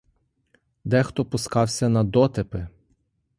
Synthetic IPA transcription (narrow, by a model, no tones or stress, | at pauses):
d̪ɛxt̪ɔpʊskɑwsʲɐnɐd̪ɔt̪ɪpɪ